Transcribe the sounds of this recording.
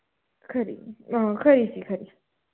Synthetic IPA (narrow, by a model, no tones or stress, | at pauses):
kʰaɾḭakʰaɾisikʰaɾi